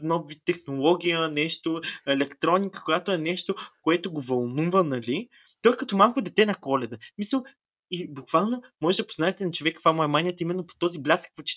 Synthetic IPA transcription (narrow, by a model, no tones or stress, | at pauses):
nɔvit̪ːɛxnolˠɔɡʲijənɛʃt̪oɛlɛkt̪ɾɔnʲikə̥kojat̪oɛnɛʃt̪okoɛt̪oɡovɐlˠnuvənɐlʲi | t̪ɔjkɐt̪ɔmalˠkod̪ɛt̪ɛnɐkɔlɛd̪əsmisəlˠ | ibukv̥alˠnomɔʒɛd̪ɐpo̥znaɛt̪ɛnɐt͡ʃovɛkːk̪vamoɛmaniət̪əimɛnːopo̥t̪ɔziblʲasə̥kvət͡ʃɛ̥